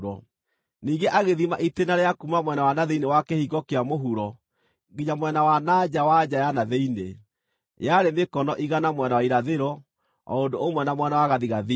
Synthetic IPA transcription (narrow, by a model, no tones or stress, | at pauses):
ɾɔ | niŋɡeʔaɣeðimaʔitenaɾeakumamwɛnawanaðeinewakɛhiɣɔkeamoɦuɾɔ | ɡiɲamwɛnawanad͡ʑawad͡ʑajanaðeine | j̰aɾemekɔnɔʔiɣanamwɛnawaiɾaðeɾɔ | ɔ̰ondoomwɛnamwɛnawaɣaðiɣaði